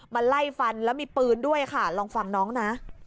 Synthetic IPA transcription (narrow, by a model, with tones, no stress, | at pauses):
ma˧nla˥˩jfa˧nlɛː˦˥wmiː˧pɯː˧ndu˥˩əjkʰa˥˩lɔː˧ŋfa˧ŋnɔː˦˥ŋna˦˥ʔ